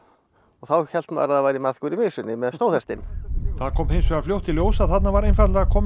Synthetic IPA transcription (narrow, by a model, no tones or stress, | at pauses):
ɔɣθawçɛl̥t̪ma̰ːɾaðavajɾimaðkʏɾimɪsʏnːɪmɛðst̪owθɛst̪ɪnθaðkʰɔːmhɪnsvɛɣaɾfljowht̪ɪljoːwsaðθat̪navaɾejnfat̪laɣakʰɔːm